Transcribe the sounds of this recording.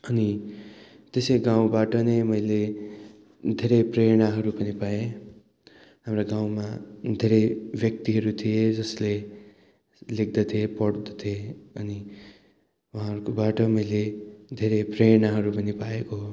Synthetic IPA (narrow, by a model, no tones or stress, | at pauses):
ʌni | t̪esʌjɡãw̃baʈʌnʌjmʌjle | d̪ʱeɾepreɽ̃aɦʌɾupʌnipae | hamɾaɡãw̃mad̪ʱeɾejbjʌk̚t̪iɦʌɾut̪ʰijed͡zʌsle | lek̚d̪ʌt̪ʰiepʌɽd̪ʌt̪ʰieʌni | wuɦãɦʌɾukobaʈʌmʌjled̪ʱeɾepreɽ̃aɦʌɾupʌnipaeko